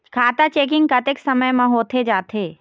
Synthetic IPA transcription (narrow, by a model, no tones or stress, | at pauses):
kʰaːt̪at͡ʃeːk̬ɪ̃ŋɡkɐt̪eksɐməjmãɦoːt̪ʰed͡ʒaːt̪ʰeː